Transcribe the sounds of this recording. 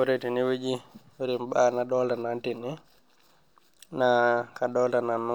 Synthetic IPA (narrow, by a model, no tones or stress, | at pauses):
ɔɾetiniwed͡ʒiwɾimbanaɗɔltanantini | nakaɗɔltananːu